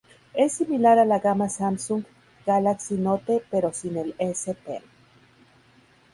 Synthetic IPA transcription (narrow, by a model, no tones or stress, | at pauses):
esːimilaɾalaɣamasamsuŋɡ | ɡ̥alaksinot̪epeɾosinelesep̪ḛ